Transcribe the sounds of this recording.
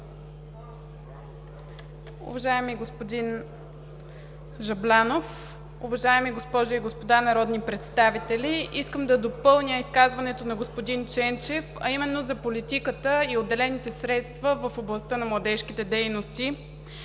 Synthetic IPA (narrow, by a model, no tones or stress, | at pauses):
ʊ̰vɐʒaɛmiɡospod̪in | ʒɐblʲanof | ʊvɐʒaɛmiɡospɔʒʊiɡospod̪anɐɾɔd̪nipɾɛt̪st̪avit̪ɛliʔiskəmd̪ɐd̪opɤlˠnʲjəiskazvɐnɛt̪onɐɡospod̪int͡ʃɛnt͡ʃɛfɐ̰imɛnːozɐpolit̪ikət̪əiod̪ːɛlɛnit̪ɛsɾɛt̪st̪vəvəfoblˠɐst̪ənɐmlˠɐd̪ɛʃkit̪ɛd̪ɛjnost̪i